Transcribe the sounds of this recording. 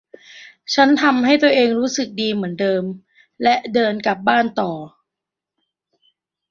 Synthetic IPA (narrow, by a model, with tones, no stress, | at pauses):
t͡ɕʰa˦˥nt̪ʰa˧mha˥˩jt̪u˧ɐʔeː˧ŋɾuː˦˥sɯ˨˩k̚diː˧mɯ˩˦əndɤː˧m | lɛ˦˥ʔdɤː˧nka˨˩p̚baː˥˩nt̪ɔː˨˩